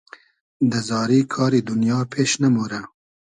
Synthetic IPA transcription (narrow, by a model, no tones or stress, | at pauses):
d̪əzɑːɾiːkʰɑːɾid̪ʊnjɑːpʰeːʃnɐmoɾa